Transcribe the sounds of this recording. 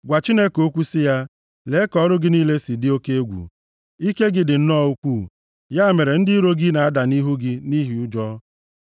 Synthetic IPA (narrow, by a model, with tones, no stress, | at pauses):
ɡʷa˨t͡ʃi˦ne˦ko˦kʷu˦sɪ˦ja˦ | le˨˦kɔ˦ɾʊ˦ɡɪ˦ni˦le˦si˨dɪ˦o˦ke˦e˦ɡʷṵ˨ | i˦ke˦ɡɪ˦dɪ˨n̩˦nɔ˦˨u˦kʷu˦˨ | ja˦me˨ɾe˨n̩˦dɪ˦i˦ɾo˦ɡɪ˦na˨a˦da˨ni˦ɦu˦ɡɪ˦ni˦ɦi˨˦ʊ˦d͡ʒɔ˦